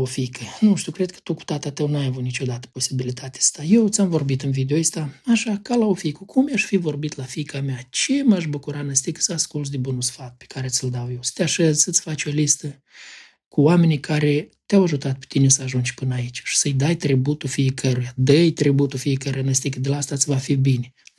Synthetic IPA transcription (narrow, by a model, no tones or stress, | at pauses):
ofikʰənuʃt̪ʲukɾe̞d̪̚kə̥t̪uku̥t̪at̪at̪əwnuajavut̪nit͡ʃo̞d̪at̪ə̥po̞sibilit̪ʰat̪ʲe̥st̪ajewt̪sʲamvo̞rbit̪ɨnvid̪eoist̪aaʃakalaofikəkʰumjaʃfivo̞rbit̪lafikameat͡ʃe̞maʃbukuɾanəst̪iksəaskult̪̬d̪ebunusfat̪̚pe̥kaɾe̞t̪sʲɨld̪awjewsə̥t̪ʲaʃəzsət̪sfat͡ʃʲo̞list̪ə | kuwame̞nikʰaɾe̞t̪eawaʒut̪at̪̚pe̥t̪inesəaʒunt͡ʃʲpɨnait͡ʃʲʃi̥səjd̪ajt̪ɾibut̪ufijekʰəɾujad̪əjt̪ɾibut̪ufijekəɾujanəst̪ikd̪elaast̪asʲvafibine